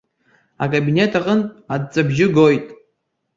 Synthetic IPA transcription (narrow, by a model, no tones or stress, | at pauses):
akʼabine̞tʰaqʼənʼad̚t͡sʼabʒɪɡo̞jtʼ